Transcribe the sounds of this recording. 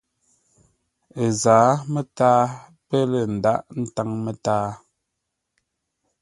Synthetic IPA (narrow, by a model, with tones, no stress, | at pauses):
ə˨zaː˨˦mə˦taː˦ | pə˦lə˨n̩˨da˦˨ʔn̩˦ta˦ŋmə˨taː˦